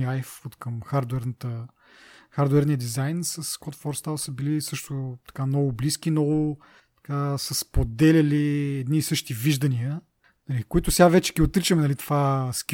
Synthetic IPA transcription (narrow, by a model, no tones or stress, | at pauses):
iajfot̪kəmxaɾd̪uɛɾnət̪ə | xaɾd̪uɛɾnijəd̪izajnsəskɔt̪fɔɾst̪alˠsəbilisɤʃt̪ʊt̪ɐ̥kanɔɡʊbliskinɔɡʊ | t̪ɐ̥kasəspod̪ɛlʲɐliɛd̪nisɤʃt̪iviʒd̪ɐniə | nɐlikʊit̪ʊsɛɡavɛt͡ʃɛ̥kʲiot̪ɾit͡ʃəmɛnɐlit̪o̥vaskʲ